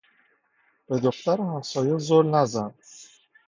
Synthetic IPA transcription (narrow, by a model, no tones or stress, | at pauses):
b̥e̞d̪oxt̪æɾhæmsɒːjezolnæzænd̪̥